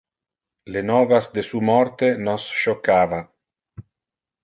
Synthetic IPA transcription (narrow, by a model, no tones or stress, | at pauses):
lenɔvasd̪esumɔɾt̪enɔsʃokaːva